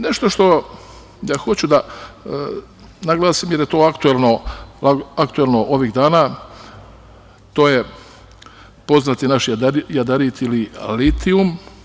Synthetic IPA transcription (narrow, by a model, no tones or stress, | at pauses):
ne̞ʃt̪o̞ʃt̪o̞ | j̪axo̞t͡ɕud̪a | naɡlaːsimjeɾjet̪oːakt̪uelno̞laakt̪uelno̞ʔo̞ʋiɣd̪aːnaː | t̪o̞ːje̞ | po̞znat̪inaʃjad̪ajad̪aɾit̪ililit̪ium